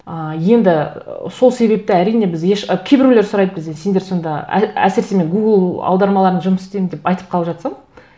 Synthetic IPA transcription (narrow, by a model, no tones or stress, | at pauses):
əje̞nd̪ɪso̞lˠse̞βe̞p̚t̪ɪæɾijne̞bɪzjeʃkʲʰebɪɾuleɾsʊɾɑjd̪əbʲɪzense̞nd̪e̞ɾso̞nd̪ɑ̰æ̰sɪɾseme̞ŋɡuɡəlˠɑ̰wd̪ɑɾmɑlˠɑɾənʒʊməsɪ̥st̪ejmɪnd̪e̞pɑjt̪əp̚qʰɑlˠəpʒɑt̪sɑm